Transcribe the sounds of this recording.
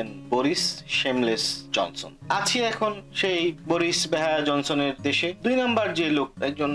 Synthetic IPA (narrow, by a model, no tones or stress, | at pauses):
enboɾisʃemlesd͡ʑɔ̰nso̰nat͡ɕʰiɛkʰonʃejboɾiʃbeɦaead͡ʑɔnsoneɾd̪eʃed̪ujnambaɾd͡ʑelok̚ɛk̚d͡ʑon